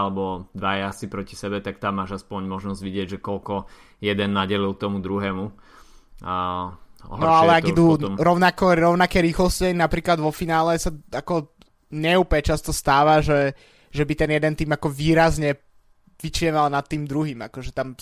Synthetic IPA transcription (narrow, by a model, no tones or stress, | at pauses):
lɛbɔd̪ʋajɛasipɾɔci̥sɛbɛt̪ak̚t̪amːaːʒaspɔɲmɔʒnɔzɟʋiɟɪɛɟʒɛkɔlkɔ | jɛd̪ɛnːaɟɛlilˠt̪ɔmud̪ɾuɦɛːmu | ɔ̰ɦnɔalɛaɡid̪uɔmɾɔʊnakɔɾɔʊnakɛːɾiːxlɔscanapɾiːklad̪ʋɔfinaːlɛsaakɔ | ɲɛuːpɲɛt͡ʃast̪ɔst̪aːʋaʒɛ | ʒɛbit̪ɛnjɛd̪ɛnt̪iːmakɔʋiːɾazɲɛ | ʋit͡ʃɛʋalnat̪ːiːmd̪ɾuɦiːmakɔʒɛt̪am